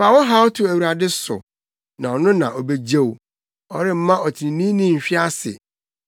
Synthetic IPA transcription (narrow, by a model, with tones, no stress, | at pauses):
fa˨wɔ˦ɦa˦ɔ˦tʰʊ˨æ˨wu˨ɾa˨dɪ˦sʊ̰˨ | nã˨ɔ˨nʊ̃˦nã˨ʔɔ˨be˦d͡ʑe˦w | ɔ˦ɾɪ˦m̩˦mã˦ɔ˨tʰi˨nĩ˨nĩ˦nĩ˦m̩˨ɕᶣɪ˦a˦sɪ̰˨